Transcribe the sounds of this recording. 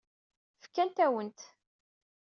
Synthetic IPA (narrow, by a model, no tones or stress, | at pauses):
fkːænt̪æwənt̪